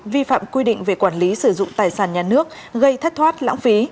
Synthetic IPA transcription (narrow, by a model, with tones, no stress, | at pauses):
vi˧fa̰ː˧˨mkwi˧ɗḭ̈˧˨ŋ̟ve˨˩kwaː˧˩nli˨˦sɨ˧˩zʊ̰˧˨ŋ͡mt̪aː˨˩jsaː˧˩nɲaː˨˩nɨ˦˥ək̚ | ɣə˧jt̪ʰə˦˥k̚t̪ʰwaː˦˥t̚la̰ː˧˥ŋfi˨˦